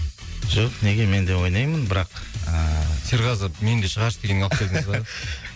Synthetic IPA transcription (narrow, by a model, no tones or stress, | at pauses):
ʒ̥oqne̞ɡʲe̞me̞nd̪e̞wo̞jnɑjmənbɪɾɑqəsʰeɾʁɑzəpme̞nd̪eʃəʁɑɾʃd̪e̞ɡʲeɪŋɑlˠp̚kʰʲed̪ɪzɑd̪